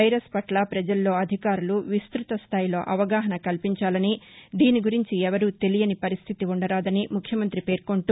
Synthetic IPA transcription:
ɐjɾɐspɐʈlɐpɾɐd͡ʒɐlːo̞ːɐd̪ʱikaːɾuluʋist̪ɾut̪ɐst̪ʰaːjilo̞ːʔɐʋɐɡaːɦɐnɐkɐlpiɲt͡ʃaːlɐnid̪iːniɡuɾiɲt͡ʃiɛʋɐɾuːt̪e̞lijɐnipɐɾist̪ʰit̪iuɳɖɐɾaːd̪ɐnimukʰjɐmɐnt̪ɾipe̞ːɾko̞ɳʈu

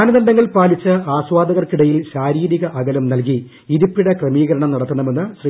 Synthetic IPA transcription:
aːnɐðɐndɖɐŋːɐlpaːlit͡ɕːɨaːɕʋaːd̪ɐɣɐrkiɽɐjilɕaːɾiːɾiɣɐʔɐɣɐlɐmnɐlki | iɾupːiɽɐkrɐmiːɣɐɾɐɳɐmnɐɽɐt̪ːuɳɐme̞nːɨɕri

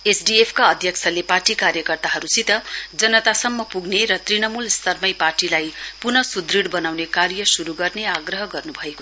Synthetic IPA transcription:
esɖiepʰkaʌd̪ʱjʌkt͡sʰʌleparʈikaɾjʌkʌrt̪aɦʌɾusit̪ʌd͡zʌnːʌt̪asʌmːʌpuɡneɾʌt̪rinʌmulst̪ʰʌrmʌjparʈilajpunʌsud̪riɽbʌnawnekarjʌsuɾuɡʌrneaɡrʌɦʌɡʌrnubʱʌeko

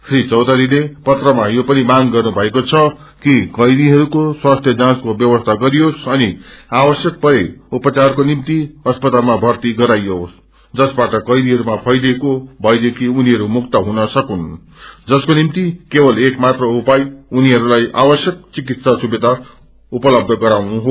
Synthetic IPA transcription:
srit͡sʌwd̪ʌɾilepʌt̪rʌmajopʌnimaŋɡʌrnubʱʌekot͡sʰʌ | kikʌjd̪iɦʌɾukoswast̪ʰjʌd͡zãskobjʌbʌst̪ʰaɡʌɾijosʌniawʌsjʌk̚pʌɾeupʌt͡sarkonimt̪iʌspʌt̪almabʱʌrt̪iɡʌɾajos | d͡zʌsbaʈʌkʌjd̪iɦʌɾumapʰʌjd̪ekobʱʌjd̪ekʰiuniɦʌɾumukt̪ʌɦunʌsʌkun | d͡zʌskonimt̪ikebʌlekmat̪rʌupajuniɦʌɾulajʔa̰bʌsjʌk̚t͡sik̬it̪sasubed̪a | upʌlʌb̚d̪ʱʌɡʌɾawnuɦo

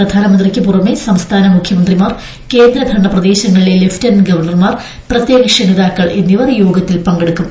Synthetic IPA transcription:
rɐd̪ʱaːnɐmɐnd̪rikʲːɨpurɐmesɐmst̪ʰaːnɐmukʰjɐmɐnd̪rimaːr | ke̞ːnd̪ɾɐɡ̪ʱɐɳːɐprɐd̪eːɕɐŋːɐɭileleftɐnɡɐʋɐrɳɐrmar | prɐt̪jeːɡɐkʂɐniðaːkːɐɭʔinːiʋɐrjoːɡɐt̪ːilpɐŋɡɐɽukːum

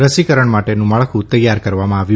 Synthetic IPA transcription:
ɾəsikəɾəɳmaʈenũmaɭkʰũt̪əjːaɾkəɾʋamãaʋjũ

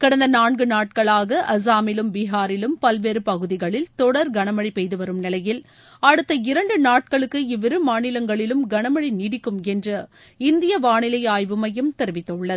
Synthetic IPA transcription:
kɐɽɐnd̪ɐnaːɳɡɯnaːʈ̚kɐɭaːɣɐʔɐs̬aːmɪlɯmʋɪɦaːɾɪlɯmpɐlʋeːɾɯpɐɣɯðɪɣɐɭɪlt̪ɔɽɐɾɡɐɳɐmɐɻipɛjðɯʋɐɾɯmnɪlɐjɪl | ɐɽɯt̪ːɐɪɾɐɳɖɯnaːʈ̚kɐɭɯkːɯɪʋɪɾɯmaːnɪlɐŋɡɐɭɪlɯmɡɐɳɐmɐɭiniːɽɪkːɯmɛndrɐ | ɪnd̪ɪjɐʋaːɳɪlɐjaːjʋɯmɐjɯmt̪ɛɾɯʋɪt̪ːɐɯɭːɐð

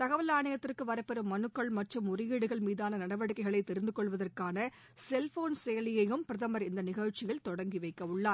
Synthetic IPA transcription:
t̪ɐɣɐʋɐlaːɳɐjɐt̪ːɪrkɯʋɐɾɐɪpːɛɾɯmːɐnɯkːɐɭmɐʈrɯmʊɾɪjiːɽɯɣɐɭmiːðaːnɐnɐɽɐʋɐɽɯkːɐɪɣɐɭɐɪt̪ːɛɾɯnd̪ɯkɔɭʋɐðɐrkaːnɐ | sɛlfoːnsɛjɐlɪjɐjɯmpɪɾɐðɐmɐɾɪnd̪ɐnɪɣɐɻt͡ʃɪɣɐɭt̪ɔɽɐŋɡɪʋɐɪkːɐʊɭːaː

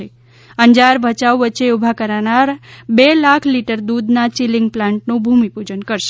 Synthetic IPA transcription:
e | əɲd͡ʒaɾbʱət͡ʃawʋətːt͡ʃeubʱakəɾanaɾbelakʰliʈəɾd̪ud̪nat͡ʃiliŋɡ̚plãɳʈnũbʱumipud͡ʒənkəɾʃe

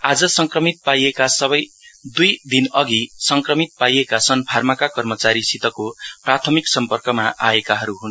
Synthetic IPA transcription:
ad͡zʌsʌŋkrʌmit̪̚pajekasʌbʌjd̪ujd̪inʌɡisʌŋkrʌmit̪̚pajekasʌnpʰarmakakʌrmʌt͡saɾisit̪ʌkoprat̪ʰʌmiksʌmpʌrkʌmaʔaekaɦʌɾuɦun

